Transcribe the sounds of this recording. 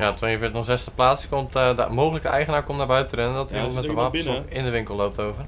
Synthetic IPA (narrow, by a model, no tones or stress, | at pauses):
jatʋejəvɪːtnɔzɛstəplaːtskɔmtdmowχələkəʔɛjχənaːɹkɔmtnaːɹbœɥttərɛnəndɔtəɔnmɛtəʋaːpənsɔkɪndəʋɪŋkəlˠlowp̚tʰowvər